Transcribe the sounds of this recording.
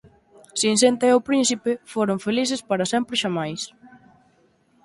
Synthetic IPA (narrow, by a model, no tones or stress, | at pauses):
sinsent̪eowpɾinsipefoɾoɱfeliθɪspaɾɐsɛmpɾɪʃamajs